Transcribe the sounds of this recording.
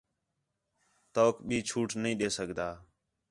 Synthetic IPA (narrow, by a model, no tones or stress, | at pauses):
t̪oːkɓiːt͡ʃʰuːʈnəĩːɗeːsəɡʱd̪aː